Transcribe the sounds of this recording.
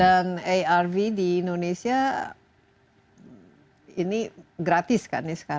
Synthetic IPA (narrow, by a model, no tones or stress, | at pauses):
danejarvidiːndonesia | iniɡɾat̪ɪska̰nɪsə̥ka